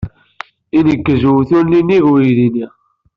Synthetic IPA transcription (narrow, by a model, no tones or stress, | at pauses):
inəkːəzuwθuliniɣujðini